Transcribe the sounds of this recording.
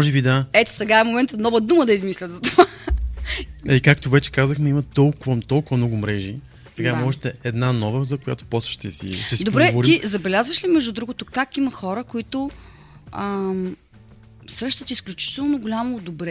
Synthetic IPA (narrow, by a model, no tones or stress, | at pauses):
mʒɛbid̪aɛt̪o̥sɛɡaɛmomɛnt̪ənɔvəd̪uməd̪ɐizmislʲət̪zɐt̪ova | ɛikakt̪ovɛt͡ʃɛ̥kazəxnɛimɐt̪ɔlˠkʊvət̪ɔlˠkʊvɐmnɔɡʊmɾɛʒi | sɛɡamɔʒɛt̪ɛɛd̪nanɔvəzɐkʊja̰t̪o̥pɔsvə̥ʃt̪ɛsḭʃt̪ɛsid̪opbɾɛvoɾiizɐbɛlʲazvəʃlimɛʒd̪ud̪ɾuɡʊt̪okakimɐxɔɾəkoit̪ʊ | ə | sɾɤʃt̪ət̪isklʲut͡ʃi̥t̪ɛlˠnoɡʊlʲamod̪obɾɛ